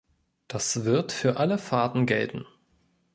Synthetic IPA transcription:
d̥asv̥ɪɐtfyːɐʔaləfaɐtn̩ɡɛltn̩

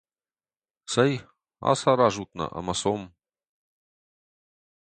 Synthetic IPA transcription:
səj | a̰saɾaʒut̪̚na̰ʔa̰masom

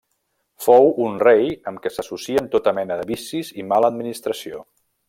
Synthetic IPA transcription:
fowunrejəmkɛsəsusiənt̪ot̪əmɛnəðəβisizimaləd̪̚minist̪ɾəsio

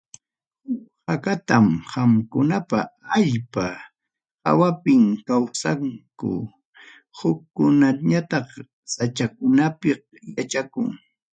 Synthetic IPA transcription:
hakat̪amhamkʊnapaaʎpa | ha̰wapɪŋkawsaŋkʊ̰ | hʊkːʊnaɲat̪ɑχ | sat͡ʃakʊnapɪh | jat͡ʃakʊ̰ŋ

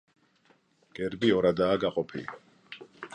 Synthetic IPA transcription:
ɡ̥ɛɾbiɔɾad̪aːɡaqʼɔpʰili

